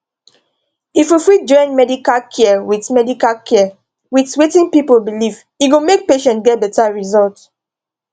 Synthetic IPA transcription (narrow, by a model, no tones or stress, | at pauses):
ifjufid͡ʒɔ̃ɪ̃nmɛdikalkʰɛwitmɛdikalkʰɛ | witwetĩnpipobiliv | iɡomek̚peʃɛ̃ntɡɛt̚dotaɹizɔlt